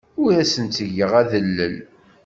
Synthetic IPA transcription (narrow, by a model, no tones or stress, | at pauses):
ʊɾæsənt͡s̪əʝːəʁæðəlːə̰l